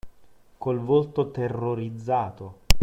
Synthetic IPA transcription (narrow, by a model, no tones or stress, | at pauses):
kolvolt̪ot̪erːoɾid̪zːaːt̪o